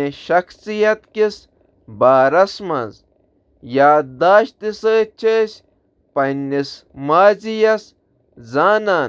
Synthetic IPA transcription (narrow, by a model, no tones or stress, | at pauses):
eʃɐxsijɐt̪kis | baːɾɐsmɐ̰z | jaːd̪aːʃt̪isəːt͡ʃʰesʲ | pɐnːis | maːzijɐs | zaːnaːn